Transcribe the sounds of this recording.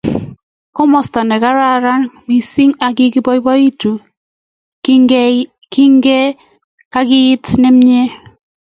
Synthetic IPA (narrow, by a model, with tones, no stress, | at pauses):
kɔ˦mɔ˨sta˨nɛ˨ka˦ɾa˦ɾa˦nmi˨si˦ŋa˨ɡɪ˦kɪ˦bɔ˦i˦bɔ˦i˦tu˨ | kɪ˦ŋɡɛ˦ | a˦kɪ˦jɪ˦tnɛ˦m̩˦ɲe˦